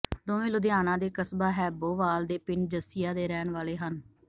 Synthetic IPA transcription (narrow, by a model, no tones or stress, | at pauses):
d̪oːʋẽːlʊd̪ɪjaːnãːd̪eːkəsbaːɦɛːboːʋaːld̪eːpɪnd͡ʒəsɪjaːd̪eːɾɛːnʋaːleːɦən